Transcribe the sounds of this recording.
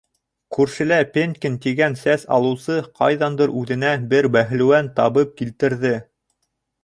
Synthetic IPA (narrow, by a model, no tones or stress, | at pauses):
kʉɾʃɘ̆læpʲenʲkʲint̪iɡænsæsɑ̰lˠɤ̆wsɤqʰɑjðɑnd̪ɤɾʔʉðɘ̆næbɘɾbæɦɘ̆lɘ̆wænt̪ɑβɤp̚kilt̪ɘ̆ɾðɘ